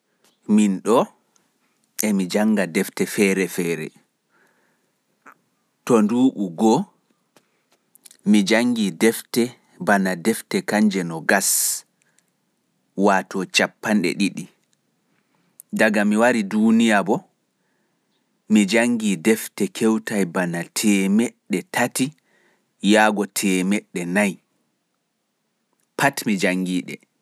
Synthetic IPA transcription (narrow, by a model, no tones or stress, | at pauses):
minɗɔ | ɛmid͡ʒaŋɡadɛftɛfɛɾɛfɛːɾɛ̰ | tɔnduːɓuɡɔ | mid͡ʒaŋɡidɛftɛ | banadɛftɛkaɲd͡ʒɛnɔɡas | waːtɔt͡ʃapːanɗɛ̰ɗiɗi | daɡamiwaɾidunijabɔ | mid͡ʒaŋɡiːdɛftɛkʰɛwtajbanatʰɛːmɛɗːɛtʰati | jaːɡɔtʰɛmɛɗːɛnaj | patmid͡ʒaŋɡiːɗɛ̰